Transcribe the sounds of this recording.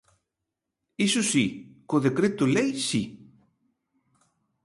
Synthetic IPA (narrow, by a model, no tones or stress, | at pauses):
isusikoðekɾet̪ulejsi